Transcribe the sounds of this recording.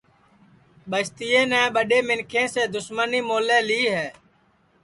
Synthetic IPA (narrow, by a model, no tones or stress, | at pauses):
ɓəst̪ɪjẽːnɛ̃ːɓəɗeːmɪnkʰẽːseːd̪ʊsməniːmoːlẽːliːɦɛː